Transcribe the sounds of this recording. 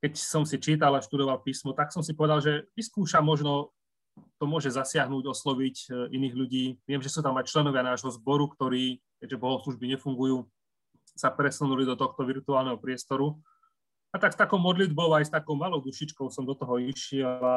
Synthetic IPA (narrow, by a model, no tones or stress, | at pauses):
kɛcsɔmsit͡ʃiːt̪̬alaʃt̪ud̪ɔʋalpiːsmɔt̪aksɔmsipɔʋɛd̪alʒɛʋiskuːʃamɔʒnɔ | t̪ɔmʊɔʒɛzasɪaɦnuːɟɔslɔʋicʔiniːɣʎuɟiːʋɪɛmʒɛsuːt̪amajt͡ʃlɛnɔʋɪanaːʒɦɔzbɔɾukt̪ɔɾiː | kɛɟʒɛbɔɦɔsluʒbiɲɛfuŋɡujuː | sapɾɛsunulid̪ɔt̪ɔxt̪ɔʋiɾt̪uaːlnɛɦɔpɾɪɛst̪ɔɾu | at̪akst̪akɔʊmɔd̪lid̪bɔʊajst̪akɔʊmalɔʊd̪uʃit͡ʃkɔʊsɔmd̪ɔt̪ɔɦɔiʃɪɛla